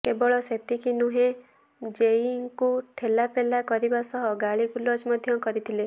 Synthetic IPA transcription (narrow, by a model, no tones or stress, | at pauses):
kebɔɭɔset̪ikinuɦẽ | d͡ʒeiŋkuʈʰelapelakɔɾibasɔɦɔɡaɭikulɔd͡ʒmɔd̪ʱjɔkɔɾit̪ʰile